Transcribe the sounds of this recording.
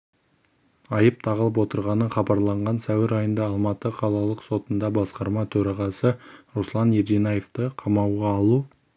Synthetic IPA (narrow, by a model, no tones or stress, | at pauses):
ɑjəp̚t̪ʰɑʁəlˠəp̬wo̞t̪əɾʁɑnəχɑbɑɾlˠɑɴʁɑnsæwɪɾɑjənd̪ɑːlˠmɑt̪əqʰɑlˠɑlˠəqso̞t̪ənd̪ɑbɑsqɑɾmɑt̪ʰɵɾɑʁɑsəɾoslˠɑneɾd̪inajeft̪əqʰɑmɑwʁɑːlˠu